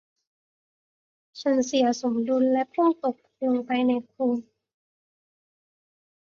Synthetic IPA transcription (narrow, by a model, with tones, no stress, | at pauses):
t͡ɕʰa˧˥nsi˩˦ɐso˩˦mduː˧nlɛ˦˥ʔpʰu˥˩ŋt̪o˨˩k̚lo˧ŋpa˧jna˧jkʰuː˧ŋ